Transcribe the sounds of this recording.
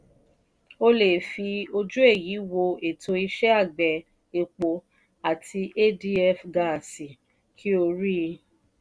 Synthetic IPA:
o˧le˨fi˧o˧d͡ʒu˦e˦˨ji˨˦wo˧e˨tʰo˧i˧ʃɛ˦a˦˨ɡ͡bɛ˨ | e˨k͡po˧ | a˨tʰi˧ʔe˦di˦ɛ˧˨fɡa˨si˨ | kʰi˦o˧ɾi˦˧

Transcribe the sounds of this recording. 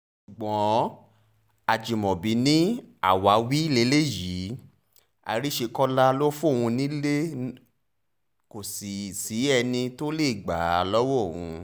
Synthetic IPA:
ʃu˨ɡ͡bɔ̃˨˦ | a˨d͡ʒi˨mɔ̃˨bi˨˦nĩ˦a̰˦˨wa˨˦wi˦le˧˦le˦ji˨˦ | a̰˧ɾi˦ʃe˧kɔ˦la˦lo˦fũ˦˨hũ˧nĩ˦le˦ | ko˨si˨si˨˦ɛ˧nĩ˧to˦le˦˨ɡ͡ba˨˦˨lɔ˦wɔ˦˨hũ˧

